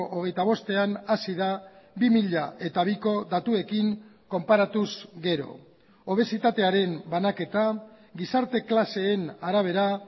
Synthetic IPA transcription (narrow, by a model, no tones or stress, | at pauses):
ʔoɣ̞e̞jt̪aβ̞o̞st̪e̞anasiðabimiʎaʔe̞t̪aβ̞iko̞ðat̪ue̞kiŋko̞mpaɾat̪uzɡe̞ɾo̞̰ | oβ̞e̞sit̪at̪e̞aɾe̞mbanake̞t̪a | ɡisaɾt̪e̞klase̞ːnaɾaβ̞e̞ɾa